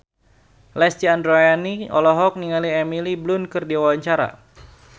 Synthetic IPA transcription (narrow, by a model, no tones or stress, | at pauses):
lɛst̪iandɾojaniɔ̰lɔɦɔk̚niŋaliɛmiliblʊnkɨrdiawawaɲt͡ʃaɾa̰